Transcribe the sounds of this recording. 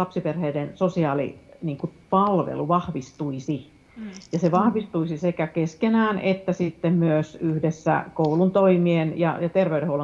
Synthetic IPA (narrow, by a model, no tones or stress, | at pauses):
ɑpsiperheidensosiɑːlḭniːŋkupɑlʋḛluʋɑhʋist̪uisi | jɑseʋɑhʋist̪uisisekækeskenæːnʔet̪ːæsit̪ːemmyøsyhdesːæ̰koulunt̪oimienjɑ̰jɑt̪erʋeyɾehoulo